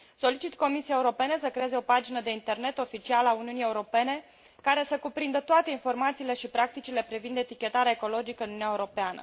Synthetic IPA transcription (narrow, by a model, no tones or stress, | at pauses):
so̞lit͡ʃit̪ko̞misiaeuɾo̞pe̞ne̞səkɾe̞eze̞o̞pad͡ʒinəd̪e̞int̪e̞rne̞t̪o̞fit͡ʃialəauniunie̞uɾo̞pe̞ne̞ | kaɾe̞səkupɾind̪ət̪oat̪e̞info̞rmat̪siːle̞ʃipɾak̚t̪it͡ʃile̞pɾivind̪e̞t̪ikʲe̞t̪aɾeaeko̞lo̞d͡ʒikəɨnunuaeuɾo̞peanə̰